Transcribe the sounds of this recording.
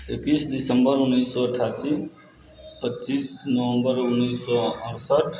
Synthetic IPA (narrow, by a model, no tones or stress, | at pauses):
ekiːsdɪsəmbəɾʊnːiːsːɔəʈʰaːsi | pətːt͡ʃiːsnɔʋə̃mbəɾʊnːiːsːɔə̃ɾsəʈʰ